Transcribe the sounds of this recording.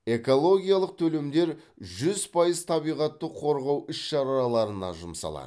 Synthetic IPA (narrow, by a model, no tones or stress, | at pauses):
e̞ko̞lˠo̞ɡʲijaɑlˠəq̚t̪ʰɵle̞md̪e̞ɾ | ʒʏzpʰɑjəz̥t̪ʰɑbijʁɑt̪ːəqʰo̞ɾʁɑwʔʏsʃɑɾɑlˠɑɾənɑ̰ʒʊmsɑ̰lˠɑ̰d̪ə